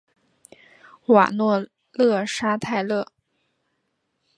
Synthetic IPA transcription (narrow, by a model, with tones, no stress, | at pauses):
wa̰˨˩nwɔ˥˧ | lɤ˥˩ʂa˥t̪ʰa˥˧ɪlɤ˥˩